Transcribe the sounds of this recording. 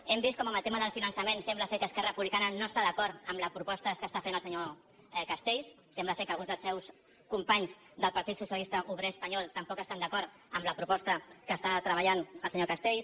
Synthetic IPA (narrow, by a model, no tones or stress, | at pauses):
ɛmbist̪kɔməməlˠt̪eməðəlˠfinənsəmensɛmbləsɛkəːskɛrəpuβlikanənoəst̪aðəkɔɾt̪əmləpɾupɔst̪əskəst̪afenəlˠsəɲo | kəst̪eʎsːɛmbləsɛkəlˠɣunzðəlsɛws | kumpaɲz | d̪əlˠpɐɾt̪it̪susjəlist̪əʔuβɾeəspəɲɔlˠt̪əmpɔkəst̪and̪əkɔɾt̪ | əmləpɾupɔst̪əkəst̪at̪ɾəβ̞əʎanəlˠsəɲokəst̪eʎs